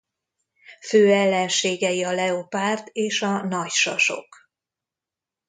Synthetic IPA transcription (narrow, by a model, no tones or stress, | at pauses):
føːɛlːɛnʃeːɡɛjiɒlɛopaːrt̪eːʃɒnɒcʃɒ̰ʃo̞̰k